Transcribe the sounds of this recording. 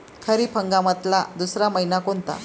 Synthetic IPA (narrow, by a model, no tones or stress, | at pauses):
kʰəɾiːpʰəŋɡamət̪lad̪usɾaməɦinakont̪a̰